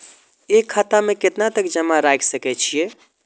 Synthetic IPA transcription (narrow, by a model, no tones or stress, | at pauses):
ekʰːat̪ameket̪nat̪əkd͡ʒəmaɾajksəkɛt͡ʃʰije